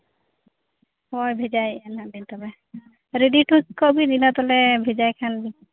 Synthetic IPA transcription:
hɔjbʱed͡ʒajɛnabint̪ɔbɛ | ɾeɖiʈʰukkɔbinilat̪ɔlɛbʱed͡ʒajkʰanbi

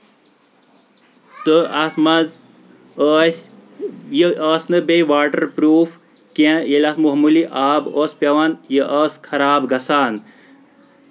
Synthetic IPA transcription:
t̪əɐsmɐz | əs | jəɐːsnɨbeʋaːʈəɾpɾuːf | kẽjelʲasmuɦmuliʔaːboːspʲjɐʋanjəʔɐːskʰɐɾaːbɡɐsaːn

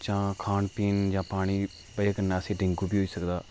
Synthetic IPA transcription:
t͡ʃãːkʰaːnpiːnd͡ʒãːpaːɽ̃iː | pəaːkənːãːəsẽːɖɪ̃ŋɡuːbiːɦoːiːsəkd̪aː

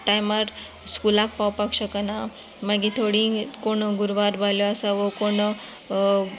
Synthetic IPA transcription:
ʈajmaɾ | skulak̚pawpakɕəkana | maɡit̪ʰoɽikoɳɡuɾʋaɾbʱaljoasaʋokoɳ

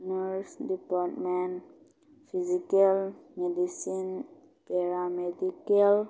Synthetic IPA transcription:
nəɾsdipaɾtmɛ̃n | fizikalmedisin | pɛɾamedikal

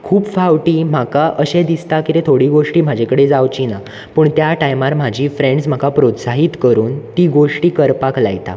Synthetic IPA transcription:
kʰuːpfawʈiːm̤akaʔəɕẽd̪ist̪akit̪et̪ʰoɽiːɡoʂʈiːm̤ad͡ʑʱekəɽed͡zawt͡ɕina | pəɳt̪jaʈajmaɾm̤ad͡ʑʱiːfɾẽɳɖsm̤akapɾot̪saɦiːt̪kəɾuːnt̪iːɡoʂʈiːkəɾpakla̰jt̪a̰

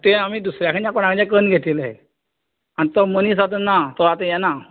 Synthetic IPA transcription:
t̪eam̤iːd̪usɾjakʰəɳt͡ɕjãkoɽãkʰəɳt͡ɕak̬ənɡʱet̪iləɦḛ | anit̪ɔmənisat̪ənːat̪ɔat̪ə̃jɛna

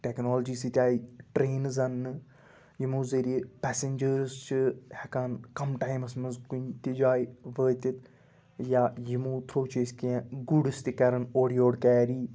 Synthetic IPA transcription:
ʈeknoːld͡ʒiːsit̪ʲaːiʈɾeːnzɐnːɨ | jimuːziɾipɛːsend͡ʒəɾzt͡ʃʰihɐkaːnkɐmʈaːjmɐsmɐnzkunt̪id͡ʒaːiʋəːt̪ʲit̪ | jaːjimuːt̪ʰɾoːt͡ʃeskiãɡuɽɨst̪ikɐɾɐnoːɽijoːɽkɛːɾiː

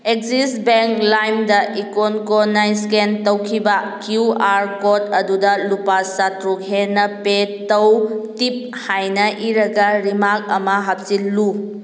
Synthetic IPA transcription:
ek̚zisbeŋklajmdɐʔikonkonajskentɐwkʰibɐkjuaɾkotɐdudɐlupasatɾukɦenɐpetɐwtip̚ | hajnɐʔiɾɐɡɐɾimak̚ɐmɐɦap̚silːu

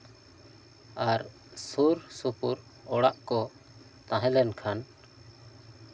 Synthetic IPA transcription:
aɾ | suɾsupuɾ | ɔɽaʔkɔ | t̪ãɦɛ̃lɛnkʰan

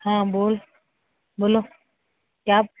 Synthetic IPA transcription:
hãːboːl | boːloː | kjaː

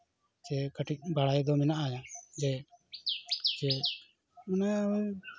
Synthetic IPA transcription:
t͡ʃɛkəʈic̚ˀbaɽajd̪ɔmɛnaʔajad͡ʒɛ | t͡ʃɛ | manaɔ

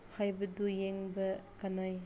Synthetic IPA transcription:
hajbɐdujeŋbɐkanaj

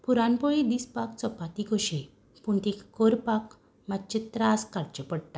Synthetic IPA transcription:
puɾanpɔɭid̪iːspakt͡sɔpat̪ikoɕe | puɳt̪ekkɔɾpak | mat̪̚t͡ɕet̪ɾaskaɽt͡ɕəpəɽʈ̪a

